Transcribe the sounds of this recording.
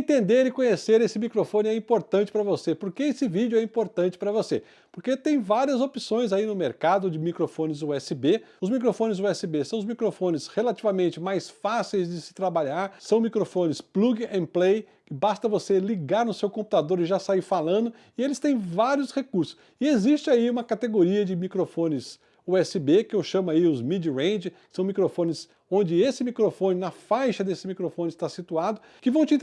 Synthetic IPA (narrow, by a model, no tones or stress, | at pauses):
ẽnt̪ẽnd̪eɾɪkõɲeseɾesɪmikɾofõnɪɛĩpoɾt̪ɐ̃t͡ʃɪ̥pɾɐvosepoɾkeesɪvid͡ʒʊɛĩpoɾt̪ɐ̃nt͡ʃɪ̥pɾɐvose | poɾket̪ẽj̃vaɾiɐzopisõj̃zainʊmeɾkad̪ʊd͡ʒɪmikɾofõnɪzʊɛsɪbeʊzmikɾofõnɪzʊɛsɪbesɐ̃w̃ʊzmikɾofõnɪshelat͡ʃivamẽnt͡ʃɪmajsfasejzd͡ʒɪsɪ̥t̪ɾabaʎaɾsɐ̃w̃mikɾofõnɪspluɡẽplejkɪbast̪ɐvoseliɡaɾnʊsewkõmpu̥t̪ad̪oɾɪʒasaiɾfalɐ̃nd̪ʊ | ɪelɪst̪ẽj̃vaɾiʊshekuɾsʊ̥s | ɪeziʃt͡ʃɪaiũmɐkat̪eɡoɾiɐd͡ʒɪmikɾofõnɪs | oɛsɪbekɪʊʃɐ̃maiʊzmid͡ʒiɾẽj̃d͡ʒɪkɪ̥sɐ̃w̃mikɾofõnɪs | õnd͡ʒɪesɪmikɾofõnɪnɐfajʃɐd̪esɪmikɾofõnɪst̪asit̪uad̪ʊ | kɪvɐ̃w̃t͡ʃɪ̃